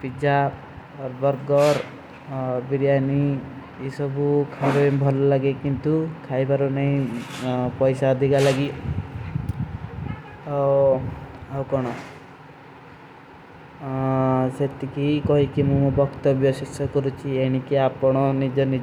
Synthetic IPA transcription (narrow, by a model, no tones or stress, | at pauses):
pid͡ʒa | ɔɾbɔɾɡɔɾ | biɾijani | esɔbukʰaɾebʱɔlɔlaɡekint̪ukʰajbaɾunaĩ | pɔjsaːd̪ʱikalaɡi | aw | awkɔɽ̃ɔ | set̪ikikɔɦikimũbɔkt̪ɔbjɔsisɔkɔɾut͡ʃʰieɽ̃ikiapɔɽ̃ɔnid͡ʒɔnid͡ʒ